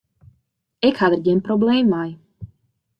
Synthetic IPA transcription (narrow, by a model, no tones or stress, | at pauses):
ɛkhad̪rɟɛnpɾɔblɛːmːaj